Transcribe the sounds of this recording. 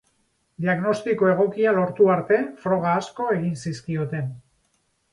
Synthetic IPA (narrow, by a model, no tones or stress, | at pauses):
d̪iaɣno̞st̪iko̞e̞ɣ̞o̞kialo̞ɾt̪uaɾt̪e̞fɾo̞ɣ̞aːsko̞e̞ɣinsiskio̞t̪e̞n